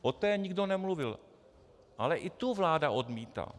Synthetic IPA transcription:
ʔot̪ɛːɲɪɡdo̞nɛmluvɪl | ʔalɛʔɪt̪uvlaːdaʔodmiːt̪a̰ː

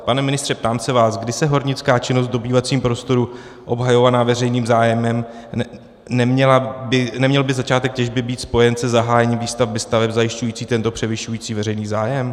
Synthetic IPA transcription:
panɛmɪnɪst̪r̥ɛp̚t̪aːmsɛvaːsɡdɪsɛɦo̞ɾɲɪt͡skaːt͡ʃɪnost̪do̞biːvat͡siːmpɾo̞st̪o̞ɾu | ʔo̞bɦajo̞vanaːvɛrɛjniːmzaːjɛmɛm | nɛmɲɛlabɪnɛmɲɛlbɪzat͡ʃaːt̪ɛk̚cɛʒbɪbiːt̪spo̞jɛnsɛzaɦaːjɛɲiːmviːst̪avbɪst̪avɛpzajɪʃcujiːt͡siːt̪ɛnt̪o̞pr̝̥ɛvɪʃujiːt͡siːvɛɾɛjniːzaːjɛm

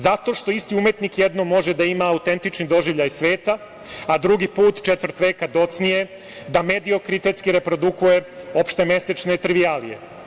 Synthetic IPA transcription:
zat̪o̞ʃt̪o̞ist̪iumje̞t̪nikjed̪no̞mo̞ʒed̪aimaːut̪e̞nt̪it͡ʃnid̪o̞ʒiʋʎajsʋeːt̪a | ad̪ɾuɡipuːt̪t͡ʃet̪ʋr̩t̪ʋeːkad̪o̞t̪snije̞ | d̪amed̪io̞kɾit̪et̪skiɾe̞pɾo̞d̪ukuje̞o̞pʃt̪e̞me̞se̞t͡ʃne̞t̪ɾiʋialḭje̞̰

